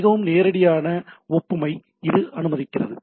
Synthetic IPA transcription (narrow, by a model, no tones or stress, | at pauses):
ɣɐʋɯmneːɾɐɽɪjaːnɐɔpːɯmɐɪ | ɪðɯɐnɯmɐðɪkːɪrɐ̰ðɯ